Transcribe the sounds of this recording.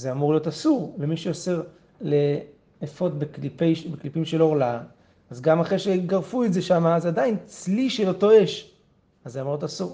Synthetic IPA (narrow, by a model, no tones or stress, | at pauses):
zeamuʁlijo̞tasuʁlemiʃeose̞ʁ | le̞ | efo̞tbeklipejʃbeklipimʃeloʁla | azɡamaχeʃeɡaʁfuetze̞ʃamaːzadaint͡sliʃelo̞to̞e̞ʃ | azːeamuʁlotasuʁ